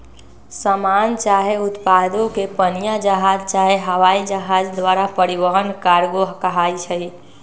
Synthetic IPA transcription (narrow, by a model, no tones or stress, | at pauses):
səmant͡ʃaɦeʊt̪pad̪õkepənijad͡ʒəɦad͡ʒt͡ʃaɦeɦəʋaid͡ʒəɦad͡ʒd̪ʋaɾapəɾiʋəɦənkaɾɡoɦkəɦait͡ʃʰəj